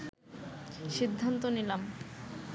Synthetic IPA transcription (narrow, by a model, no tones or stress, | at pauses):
ʃid̪ʱːant̪onilam